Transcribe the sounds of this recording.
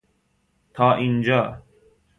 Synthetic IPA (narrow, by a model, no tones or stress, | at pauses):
t̪ʰɑːʔind͡ʒɑː